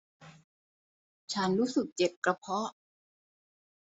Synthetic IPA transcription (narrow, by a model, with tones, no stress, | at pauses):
t͡ɕʰa˦˥nɾuː˦˥sɯ˨˩k̚t͡ɕe˨˩p̚kɾa˧pʰɔ˦˥